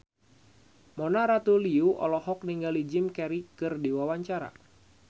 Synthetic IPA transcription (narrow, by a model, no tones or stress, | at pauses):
mɔnaɾat̪uliuʔɔ̰lɔhɔk̚niŋɡalid͡ʒɪmkɛɾikɨrdiwawaɲt͡ʃaɾa̰